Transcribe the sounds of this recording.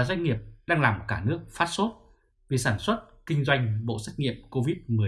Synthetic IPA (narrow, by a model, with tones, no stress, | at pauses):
zwa˧jŋ̟ŋi˨˩əp̚ɗaː˧ŋlaː˨˩mkaː˧˩nɨ˦˥ək̚faː˦˥t̚so˦˥t̚ | vi˨˩saː˧˩nswə˦˥t̚kï˧ŋ̟zwa˧jŋ̟ɓo̰˧˨sɛ˦˥k̟̚ŋḭ˧˨əmko˧vi˦˥t̚mɨ˨˩ə